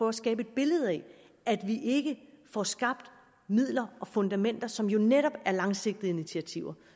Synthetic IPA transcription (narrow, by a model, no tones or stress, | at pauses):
ɒæsɡ̥ɛ̰ːb̥e̝d̥̚b̥e̝ləð̞̩ˠɛ | æd̥ʋiʔe̝ɡ̥əfɒsɡ̥ɑ̈b̥̚d̥ | mið̰ˠlɐɒ̽fɔ̽nd̥æmen̰d̥ɐsɒ̽mjo̝neɾ̥ɒ̽b̥æɐlɑ̈ŋse̝ɡ̥̚d̥ð̩iinit͡sʰiæt͡sʰiʊ̰ɐ